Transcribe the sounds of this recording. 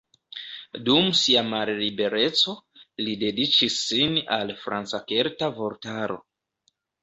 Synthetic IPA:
dumsiamalːibe̞ɾe̞t͡so̞lide̞dit͡ʃisːinalfɾant͡sakeɾtavo̞ɾtaɾo̞̰

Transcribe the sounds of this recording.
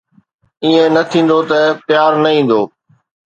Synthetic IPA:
iːẽnɐt̪ʰĩːn̆d̪ot̪ɐpjaːɾnɐĩːn̆d̪oː

